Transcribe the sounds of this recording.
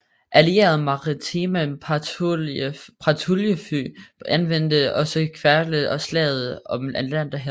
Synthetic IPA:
ʔælie̝̰ːɐð̩ˠmɑ̈ʁit͡sʰimæ | pʰʁɑ̈t͡sʰuljəfy̰ːænʋen̰d̥əɒ̽sɒkʰʋæɐləð̩ˠɒ̽slɛ̰ːð̩ˠɒ̽mænlæn̰d̥ɑ̈ɦæ

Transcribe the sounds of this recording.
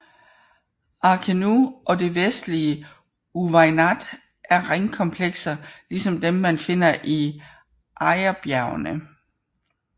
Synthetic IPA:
ɑ̈kʰenuʔɒ̽d̥e̝ʋesd̥liə | uʋɑɪnæd̥ | ʔæɐʁeŋkʰɒ̽mpʰleɡ̥sɐlisɒ̽md̥emːænfe̝n̰ɐʔi | ʔɑɪɐb̥jæɐʊnə

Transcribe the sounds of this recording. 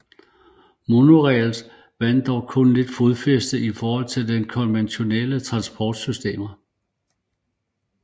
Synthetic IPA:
monoʁɛls | ʋæn̰d̥ɒʊ̰kʰɔ̽nle̝d̥foðˠfesd̥əifɒːhɒ̽l̰t͡sʰe̝ld̥enkʰɒ̽nʋenɕo̝nelət͡sʰʁɑ̈nsb̥ʰɒːd̥sysd̥e̝̰ːmɐ

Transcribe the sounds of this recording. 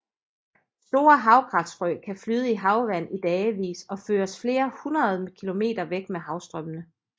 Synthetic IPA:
sd̥o̝̰ːɐɦɑ̈ʊɡ̥ʰʁɑ̈fd̥sfʁœkʰæflyːðˠəiɦɑ̈ʊʋæn̰id̥ɛːʋḭːsɒ̽føːɐsfle̝ːɐhunʁɐð̞̩ˠkʰilo̝me̝̰ːd̥ɐʋeɡ̥meɦɑ̈ʊsd̥ʁœmənə

